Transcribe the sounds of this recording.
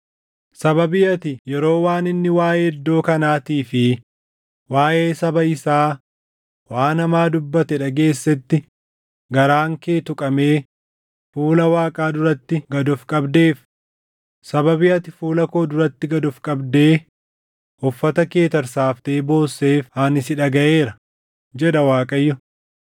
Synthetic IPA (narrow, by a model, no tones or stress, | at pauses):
sɐbɐbɪjɐt̪ɪjɛɾo̞ːwaːnɪnːɪwaːjeːd̪ːo̞ːkɐnaːt̪iːfɪ | waːʔeːsɐbɐɪsaː | waːnɐmaːd̪ʊbːɐt̪ɛᶑɐɡe̞ːsːɛt̪ːɪ | ɡɐɾaːŋke̞ːt̪ʊkʼɐme̞ː | fuːlɐwaːkʼaːd̪ʊɾɐt̪ːɪɡɐd̪ɔfkʼɐbd̪e̞ːf | sɐbɐbɪjɐt̪ɪfuːlɐko̞ːd̪ʊɾɐt̪ːɪɡɐd̪ɔfkʼɐbd̪e̞ː | hɔfːɐt̪ɐke̞ːt̪ɐɾsaːft̪e̞ːbo̞ːsːeːfhaːnɪsɪᶑɐɡɐʔe̞ːɾɐ | d͡ʒɛᶑɐwaːkʼɐjːʊ